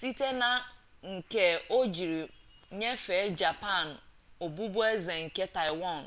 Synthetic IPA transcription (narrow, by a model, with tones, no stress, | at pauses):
si˦te˦na˨ | ŋ̩˨ke˦o˦d͡ʒi˨ɾi˨ | ɲe˦fe˨˦d͡ʒa˨pa˦˨n | o˨bu˦bu˦e˦ze˨ŋ̩˨ke˦ta˨ɪ˨wa˦˨n